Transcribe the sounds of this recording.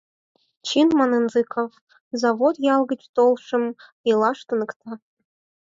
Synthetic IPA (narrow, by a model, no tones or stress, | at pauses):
t͡ɕinmɑnɯnzɨkʰof | zɑvot̪jɑlˠɣə̆t͡ɕt̪olˠʂɤ̆m | ilˠɑʂt̪ɤ̆nɤ̆kt̪ɑ